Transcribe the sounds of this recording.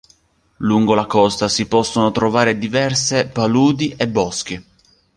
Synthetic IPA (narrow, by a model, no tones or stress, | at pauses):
luŋɡolakɔst̪asipɔsːonot̪ɾovaːɾed̪ivɛrsepaluːd̪iʔebːɔsk̟i